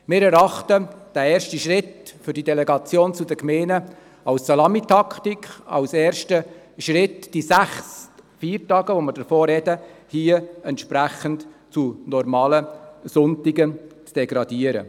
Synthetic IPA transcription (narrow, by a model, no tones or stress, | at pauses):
mɪːɾɛɾɑχtəd̥æɛːɾʃtiʃʁɪtfʏɾdidɛlɛɡɑt͡sjoːnt͡sudəkmeːnə | ɑwssɑlɑmitʰɑkʰt̪ikχɑ̰wseːɾʃtə | ʃɾɪtd̥isæχsfiːɾtɑːɡ̥əʋoməɾdəɾfoːɾɛd̥əhiːəɛntʃpɾæxəntt͡sunɔɾmɑːləsʊntiɡət͡sd̥ɛɡɾɑd̪iːəɾə̰